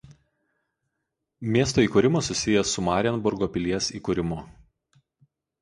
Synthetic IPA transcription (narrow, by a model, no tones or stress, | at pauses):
mʲiɛst̪oːiːˑkʊːɾʲɪmosʊsʲɪjɛsʊmɑːɾʲɛnbʊɾɡoːpʲɪlʲiɛsiːkʊːɾʲɪmʊ